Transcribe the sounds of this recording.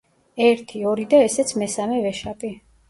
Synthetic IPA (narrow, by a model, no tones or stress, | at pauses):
ɛɾt̪ʰiɔɾid̪aɛsɛt̪sʰmɛsamɛvɛʃapʼi